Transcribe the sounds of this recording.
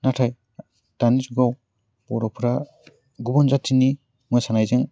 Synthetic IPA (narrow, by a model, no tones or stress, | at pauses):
natʰaj | d̥anisɡaw | bɔɾɔpʰɾa | ɡubɔnzatʰini | mɔjsanajzeŋ